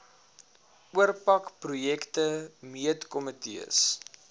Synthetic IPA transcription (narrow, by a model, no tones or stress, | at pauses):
uərpɐkprujɛktəmiətkɔmətḭə̰s